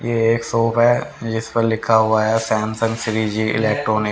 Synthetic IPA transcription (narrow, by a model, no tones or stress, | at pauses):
jeeːksoːpɦɛd͡ʒɪspəɾlɪkʰːaɦuaɦɛsɛ̃ːmsə̃ŋɡsɪɾid͡ʒiːɪ̰leːk̚ʈɾoːnɪk